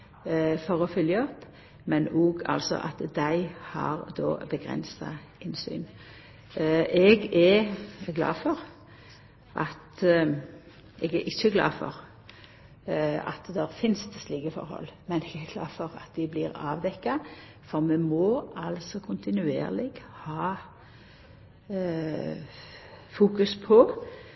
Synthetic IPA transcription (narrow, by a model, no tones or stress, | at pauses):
fɔʁɔfʏljəɔpː | mɛnoːɡɑ̰lsɔ̰ʔɑt̪d̪æɪhɑʁd̪o̰ːbəɡʁɛ̰nsɑ | ɪnsy̰ːn | ɛɡɛɡlɑ̰ːfɔʁ | ʔɑt̪ | ɛɡɛʔɪçːəɡlɑ̰ːfɔ̰ʁ | ɑ̰t̪d̪ɛɾfɪnst̪ʰsliːɡəfɔ̰ɾhɔ̰lːmɛnɛɡæɡlɑ̰ːfɔʁɑ̰t̪d̪ɪblɪːɾɑːʋd̪ɛkːɑ | fɔʁmɛmoːʔɑlsɔkʰʊnt̪ɪnʉḛːʁlɪɡhɑː | fuːkʉspʰɔ